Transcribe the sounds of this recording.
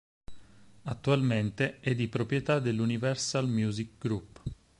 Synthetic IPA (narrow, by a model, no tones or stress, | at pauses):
at̪ːualment̪eɛd̪ːipɾopɾjet̪ad̪elːunivɛrsalmjuːzik̚ɡɾupː